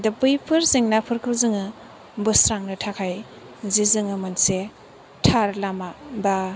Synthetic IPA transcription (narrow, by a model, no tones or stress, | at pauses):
dapɯjpʰɯɾziŋnapʰɯɾkʰɯlzɯŋɯ | bɯsɾaŋnɯtʰakʰaj | zizɯŋɯmanse | tʰaɾlamaba